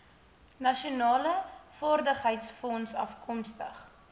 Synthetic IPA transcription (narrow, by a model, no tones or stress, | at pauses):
nɐʃiunɑːləfɑːrdəχɦəjtsfɔnsɐfkʰɔmstə̰χ